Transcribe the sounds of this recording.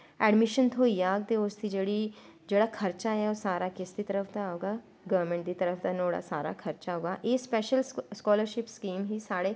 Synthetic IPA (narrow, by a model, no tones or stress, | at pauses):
ɛːɖmɪʃənt̪ʰoːijaːɡ̚t̪eːʊsd̪iːd͡ʒeːɽiː | d͡ʒeːɽaːkʰəɾt͡ʃaːɦɛːosaːɾaːkɪsd̪iːt̪əɾəfʰd̪aaːoːɡaː | ɡəʋəɾmɛ̃ɳʈ̚d̪iːt̪əɾəfʰd̪aːnoːɽa̰ːsaːɾa̰ːkʰəɾt͡ʃaɦoːɡaːʔeːspɛːʃəlskɔːləɾʃɪpskiːmɦiːsaːɽeː